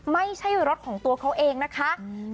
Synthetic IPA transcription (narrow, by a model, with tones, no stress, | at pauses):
ma˥˩jt͡ɕʰa˥˩jɾo˦˥t̪̚kʰɔː˩˦ŋt̪u˧ɐkʰa˦˥wʔeː˧ŋna˦˥kʰa˦˥